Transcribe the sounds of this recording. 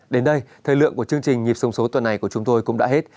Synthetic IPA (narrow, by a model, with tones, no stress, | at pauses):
ɗe˨˦nɗə˧jt̪ʰəː˨˩jlɨ̰˧˨əŋku˧˩ət͡ɕɨ˧əŋt͡ɕï˨˩ŋ̟ːŋi˨˩əp̚sə˨˦wŋ͡mso˨˦t̪wə˨˩nːa˨˩jku˧˩ət͡ɕʊ˨˦ŋ͡mt̪o˧jkʊ̰˧˥ŋ͡mɗa̰ː˧˥ɦe˦˥t̚